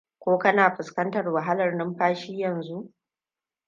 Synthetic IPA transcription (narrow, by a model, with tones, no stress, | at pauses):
kʷoː˦kɐ˦naː˨ɸɪ˨skɐ˦ntɐ˨rwa˨ɦa˦lɐ˨rnɪ˦mɸaː˦ʃiː˦jɐ˨nzu˦ʔ